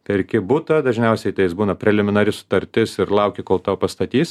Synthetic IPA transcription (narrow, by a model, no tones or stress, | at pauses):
t̪ʲɛɪrʲkʲɪbuːt̪ɐd̪ɐʒʲnʲɛʊsʲɛɪt̪ɐɪjɪsbuːnɐpʲɾʲɛlʲɪmʲɪnɐɾʲɪsʊ̥t̪ɐɾʲt̪ʲɪsɪɾlˠɐʊkʲekoːlˠt̪ɑːpɐst̪ɐt̪ʲiːs